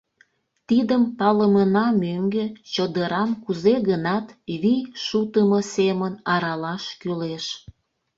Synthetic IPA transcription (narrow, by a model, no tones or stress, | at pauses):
t̪id̪əmpɑləmənɑmøŋɡet͡ɕəd̪əɾɑmkuzeɣənɑt̪βijʃut̪əmosemənɑɾɑlɑʃkyleʃ